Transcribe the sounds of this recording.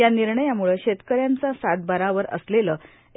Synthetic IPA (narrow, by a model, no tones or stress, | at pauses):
janiɾɳəjamuɭəɕet̪kəɾjant͡sasat̪̚bəɾaʋəɾə̰sleləː